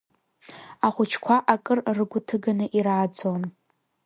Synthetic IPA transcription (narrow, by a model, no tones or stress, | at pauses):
aχʷʊt͡ʃʰkʷʰaʔakʼɨrrɨɡʷʊtʰɨɡanɨʔiɾaːd͡zo̞n